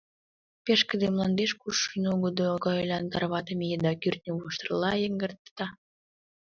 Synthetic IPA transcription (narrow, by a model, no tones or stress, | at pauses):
peʃkə̆d̪emlɑnd̪eʃkuʃinoɡod̪okɑjlʲɑnt̪ɑrβɑt̪əmejed̪ɑkyrt̪̚nʲəβuʃt̪ərlɑjəŋɡərt̪t̪ɑ